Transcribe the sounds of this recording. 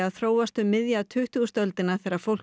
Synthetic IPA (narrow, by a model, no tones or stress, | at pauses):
aðθɾoːwast̪ʏmːɪðjat̪ʰʏht̪uɣst̪œlt̪ɪnaθɛɾaɾ̥fowl̥